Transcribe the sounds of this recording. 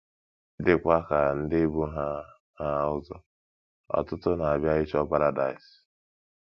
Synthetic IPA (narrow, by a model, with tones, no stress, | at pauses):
dɪ˨kʷa˦ka˨n̩˦dɪ˦bu˦ɦa˦ | ha˦ʊ˦zʊ˦ | ɔ̰˨tʊ˦tʊ˦na˨a˨bja˦ɪ˦t͡ʃɔ˦pa˦ɾa˦da˨ɪ˨s